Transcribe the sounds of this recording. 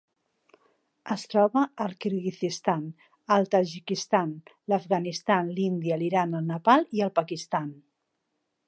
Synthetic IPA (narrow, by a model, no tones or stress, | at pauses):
əst̪ɾɔβəːlˠkiɾɣiθist̪an | əlˠt̪aʒikist̪anləfɣanist̪anlind̪iəliɾanəlˠnəpalˠiəlˠpəkist̪an